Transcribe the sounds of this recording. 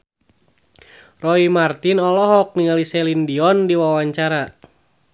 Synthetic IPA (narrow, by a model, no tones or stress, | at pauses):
rɔimart̪inɔlɔɦɔk̚niŋalisɛlindiɔndiwawaɲt͡ʃaɾa